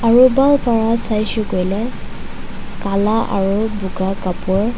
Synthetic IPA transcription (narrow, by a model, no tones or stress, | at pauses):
aɹubalpaɹasajsʊkojlɛ | kalaʔa̰ɹubuɡakapʊɹ